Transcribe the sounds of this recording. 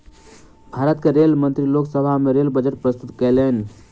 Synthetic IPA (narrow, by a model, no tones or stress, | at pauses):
bʱaɾət̪keɾelmənt̪ɾiloksəbʱameɾelbəd͡ʒəʈ̚pɾəst̪ut̪kɛlən